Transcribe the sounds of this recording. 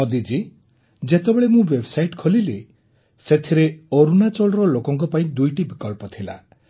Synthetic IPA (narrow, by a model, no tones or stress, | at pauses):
ɔd̪id͡ʒi | d͡ʒet̪ebeɭemũwebsajiʈkʰolile | set̪ʰiɾeoɾunat͡ʃɔɭɔɾɔlokɔŋkɔpaĩd̪ujʈibikɔlpɔt̪ʰila̰